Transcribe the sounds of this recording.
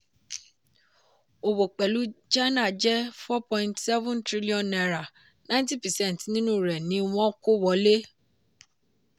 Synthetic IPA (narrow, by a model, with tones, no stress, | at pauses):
o˨wo˨k͡pɛ˨lu˨˦d͡ʒa˦nã˦˨d͡ʒɛ˦fɔ˦pɔ̃˧ĩ˧ntsɛ˦vũ˦ntɾi˦li˦ɔ̃˨nɛ˨ɾa˨ | nã˦ĩ˦t̬ĩ˦˨pɛ˨sɛ̃˦n˨tnĩ˦nũ˦˨ɾɛ˨nĩ˨˦w̃ɔ̃˦ko˦wɔ˧˦le˦